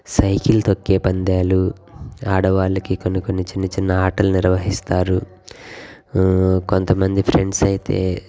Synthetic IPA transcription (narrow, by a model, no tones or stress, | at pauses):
sɐjkilt̪okːeːpɐnd̪aːlu | aːɽɐʋaːlɐkikonukonːit͡ʃinːɐt͡ʃinːɐaːʈɐlniɾʋɐɦist̪aːɾu | ko̞nt̪ɐmɐnd̪ipʰɾe̞ɳɖsɐjit̪e̞̰ː